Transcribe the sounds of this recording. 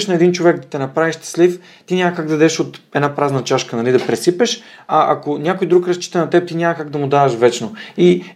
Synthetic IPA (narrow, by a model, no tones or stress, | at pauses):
ʃnɐɛd̪int͡ʃovɛɡ̚d̪ɐt̪ɛnɐpɾaviʃt̪ɛ̥slif | t̪inʲamɐkaɡd̪ɐd̪ɛʃot̪ɛnapɾaznɐt͡ʃaʃkənɐlid̪ɐpɾɛsipɛʃ | ɐʔɐ̰konʲakojd̪ɾukɾɐst͡ʃi̥t̪ɐnɐt̪ɛp̚t̪inʲamɐkaɡd̪ɐmʊd̪aɐʃvɛt͡ʃnoi